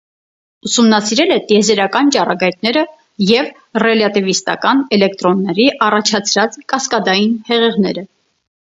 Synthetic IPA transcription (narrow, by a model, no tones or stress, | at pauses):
usumnɑsiɾɛlɛt̪ijɛzɛɾɑkɑnt͡ʃɑrɑɡɑjt̪nɛɾə | jɛv | rɛlɑt̪ivist̪ɑ̰kɑnɛlɛk̚t̪ɾɔnːɛɾiʔɑrɑt͡ʃʰɑt͡sʰɾɑt͡skɑskɑd̪ɑjinhɛʁɛʁnɛɾə